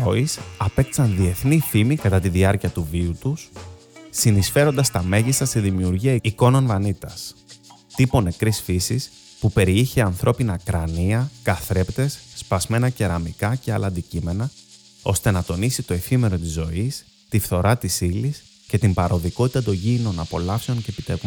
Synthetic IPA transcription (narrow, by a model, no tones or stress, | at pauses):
oisɐpe̞k̚t̪i̥sɐnðie̞θnifimikɐt̪ɐt̪iðiɐɾciɐt̪uviut̪usː | inisfe̞ɾo̞nd̪ɐst̪ɐme̞ʝist̪ɐst̪iðimiuɾʝiɐiko̞no̞nvɐnit̪ɐs | t̪ipo̞ne̞kɾisfisis | pupe̞ɾiiçeɐnθɾo̞pinɐkɾɐniɐkɐθɾept̪e̞sːpɐzme̞nɐce̞ɾɐmikɐce̞ɐlɐːnd̪icime̞nɐ | o̞st̪e̞nɐt̪o̞nisit̪o̞e̞fime̞ɾo̞t̪izo̞is | t̪ifθo̞ɾɐt̪isilis | ce̞t̪imbɐɾo̞ðiko̞t̪i̥t̪ɐt̪o̞ɲɟino̞nɐpo̞lɐfse̞o̞nce̞ːpit̪ev